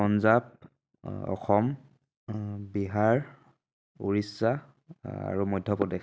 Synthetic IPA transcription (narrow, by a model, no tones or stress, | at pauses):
ɔnzap̚ | ɔ̰xɔm | biɦaɹ | ṵɹisːa | a̰ɹumɔjdʱːɔpɔdek